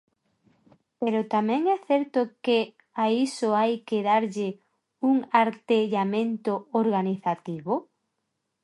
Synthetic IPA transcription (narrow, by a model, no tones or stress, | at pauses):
peɾʊt̪amɛ̃ŋɛθɛɾt̪ʊke | aisʊajkeðaɾʎɪ | uŋaɾt̪eʎamẽnt̪ʊoɾɣaniθat̪iβo